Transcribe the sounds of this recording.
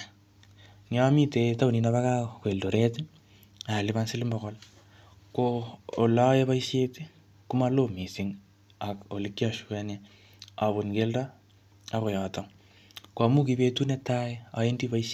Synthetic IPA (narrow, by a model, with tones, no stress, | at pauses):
nja˦mi˦te˨ta˦wnina˦βa˦ka˦kwe˨ldo˨ɾe˦ti˦ | a˨lɪ˦βa˦nsi˦li˦mbɔ˨ɣɔ˦l | koː˨la˦e˦βa˦i˦ʃe˦ti | ku˦ma˦lo˦mi˨siŋ | a˨ko˨li˦kːja˨ʃu̥kane | a˨βu˨nke˦lda˦ | a˦ɣo˨jɔ˨tɔ˦ŋ | kwa˨mu˦kibetu˦ne˦ta˦ea̰˨e˦ndi˦βa˦iʃ